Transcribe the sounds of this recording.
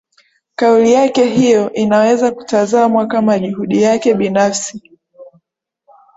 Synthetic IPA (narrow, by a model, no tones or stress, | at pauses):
kaulijakɛɦijɔʔinawɛzaku̥tazaːmwakamaʄuhuɗijakɛɓinafsi